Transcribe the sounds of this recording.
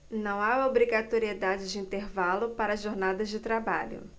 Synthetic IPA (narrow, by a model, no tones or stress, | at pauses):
nɐ̃w̃aobɾiɡat̪oɾied̪ad͡ʒɪd͡ʒɪĩnt̪eɾvalʊpaɾɐzʒoɾnad̪ɐzd͡ʒɪt̪ɾabaʎʊ̰